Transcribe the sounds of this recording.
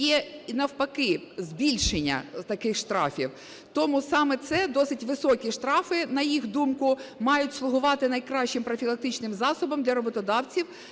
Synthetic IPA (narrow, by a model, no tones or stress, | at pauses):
jɛnɐwpɐkɪzbʲilʲʃenʲːɐ̰t̪ɐkɪxʃt̪ɾɑ̰fʲḭw | t̪ɔmusɑmɛt̪sɛd̪ɔsɪtʲʋɪsɔkʲiʃt̪ɾɑfɪnɐjixd̪umkʊmɑjʊtʲslˠʊɦʊʋɑt̪ɪnɐjkɾɑɕt͡ʃɪmpɾɔfʲilˠɐk̚t̪ɪt͡ʃnɪmzɑsɔbɐmd̪lʲɐɾɔbɔt̪ɔd̪ɑwt͡sʲiw